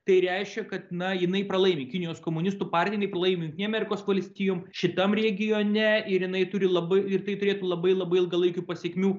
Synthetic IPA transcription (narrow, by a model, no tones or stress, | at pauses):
t̪ɐɪɾʲɛɪʃʲkʲɛkɐt̪nɐjɪnɐɪpɾɐlˠɐɪmʲeːkʲɪnʲɪjoːskoːmʊnʲɪst̪uːpɑrʲt̪ʲɪjnɐɪprɐlˠɐɪmʲeːjʊŋkt̪ʲnʲɛɐmʲɛɾʲɪkoːsʋɐlʲsʲt̪ʲiːjoːmʃʲɪt̪ɐmɾʲɛɡʲɪjoːnʲɛɪɾjɪnɐɪt̪ʊɾʲɪlˠɐbɐɪɪrt̪ɐɪt̪ʊɾʲeːt̪uːlˠɐbɐɪlˠɐbɐɪɪlˠɡɐlˠɐɪkʲuːpɐsʲiɛkʲmʲuː